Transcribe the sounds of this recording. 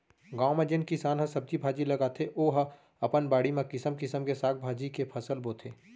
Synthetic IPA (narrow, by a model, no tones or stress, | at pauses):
ɡãːomẽd͡ʒɪnkɪsaːnɦɐ̃sɐb̚d͡ʒibʱaːd͡ʒilɐɡaːt̪ʰeʔoːɦɐ̃ | ɐpənbaːɽimẽkɪsəmkɪsəmkesaːk̚ʰbʱaːd͡ʒikepʰɐsəlboːt̪ʰeː